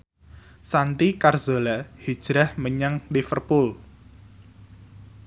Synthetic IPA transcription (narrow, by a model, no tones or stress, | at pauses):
sant̪ikarzolahid̥ʒ̥ɾahməɲaŋlifərpʊl